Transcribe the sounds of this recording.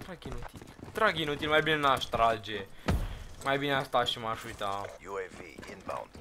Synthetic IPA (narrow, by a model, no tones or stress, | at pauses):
t̪ɾaɡinot̪ilt̪ɾaɡinot̪ilmajbinenaʃt̪ɾad͡ʒe | majbinast̪aʃimaʃut̪ãjuevḭɪ̰̃nba̰w̃n